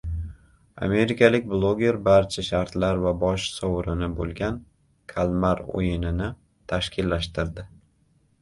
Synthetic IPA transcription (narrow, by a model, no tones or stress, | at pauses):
a̰me̞ɾɪkʲʰalɪk̚ʲblˠoɡʲe̞ɾbaɾt͡ʃʰaʃaɾt̪laɾvabɒʃsɒwɾɪnɪbolˠɡʲan | kʰalˠmaɾo̰jɪnɪnɪ | t̪ʰaʃkʲʰɪlːaʃt̪ɪɾd̪ɪ